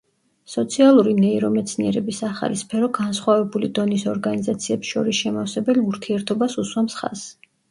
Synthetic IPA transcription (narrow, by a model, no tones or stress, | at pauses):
sɔt̪sʰialˠuɾinɛiɾɔmɛt̪sʰniɛɾɛbisaχa̰lispʰɛɾɔɡansχwavɛbulid̪ɔnisɔɾɡanizat̪sʰiɛpsʃɔ̰ɾisʃɛmafsɛbɛliuɾt̪ʰiɛɾt̪ʰɔbasuswamsχa̰s